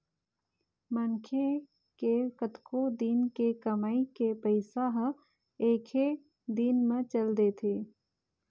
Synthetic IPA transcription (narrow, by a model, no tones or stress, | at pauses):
mənkʰe | kekət̪kod̪inkekəmaikepəɪsaɦ | eːkʰe | d̪inmẽt͡ʃəld̪et̪ʰeː